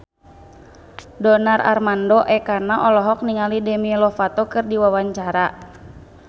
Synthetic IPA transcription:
dɔnarʔa̰rmandɔʔɛkarnaʔɔlɔɦɔk̚niŋalidɛmilɔfat̪ɔkɨrdiwawaɲt͡ʃaɾa

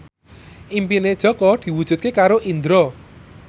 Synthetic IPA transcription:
ʔimpined̥ʒ̥ɔ̤kɔd̪̥i̤wud̥ʒ̥ṳt̪̚kekaɾoʔind̪ɾɔ

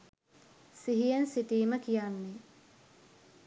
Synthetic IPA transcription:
siɦijensiʈiːməkijanːe

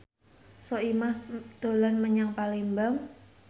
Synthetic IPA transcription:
sɔimahd̪̥o̤lanməɲaŋpalimbaŋ

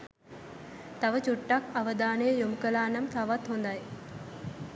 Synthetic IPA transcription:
t̪aʋət͡ɕuʈːakaʋəd̪aːnəjəjoməkəlaːnamt̪aʋat̪ɦond̪aj

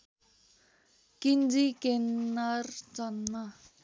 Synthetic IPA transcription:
kind͡zikenːart͡sʌnma

